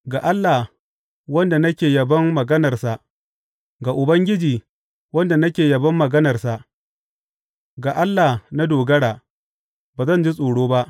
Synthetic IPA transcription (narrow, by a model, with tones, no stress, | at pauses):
ɡaː˨ʔa˦lːa˨ | wɐ˦nda˨nɐ˦kʲeː˨jɐ˨bɐ˦mːɐ˨ɡɐ˦nɐ˨rsa˨ʔ | ɡa˨ʔʊ˨bɐ˦ŋɡʲɪ˦d͡ʒiː˨ | wɐ˦nda˨nɐ˦kʲeː˨jɐ˨bɐ˦mːɐ˨ɡɐ˦nɐ˨rsa˨ʔ | ɡa˨ʔa˦lːa˨na˦doː˨ɡɐ˦ɽaː˨ | baː˨zɐ˦˨nd͡ʒi˦sʼoː˨ɽoː˦ba˦ʔ